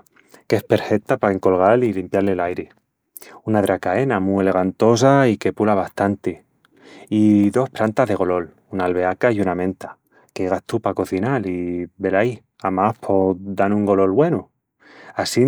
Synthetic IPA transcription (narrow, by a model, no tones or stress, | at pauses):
ke̞spe̞ɾfe̞k̚t̪apae̞ŋko̞lɣ̞alilimpjaɾle̞lajɾe | unaðɾakae̞namue̞le̞ɣ̞ant̪o̞s̬aike̞pulaβ̞ast̪ant̪e | iðo̞spɾant̪azðeɣo̞lo̞l | unaːlβe̞akajunamẽ̞nt̪ḁ | keɣ̞aht̪upako̞θinaliβe̞laj | amahpʰo̞d̪anuŋɡo̞lo̞lβwe̞nu | asi